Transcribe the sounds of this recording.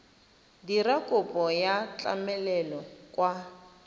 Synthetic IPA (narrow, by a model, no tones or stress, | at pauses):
dirakʼʊpʼɔjat͡ɬʼa̰mɛlɛlɔkʼwa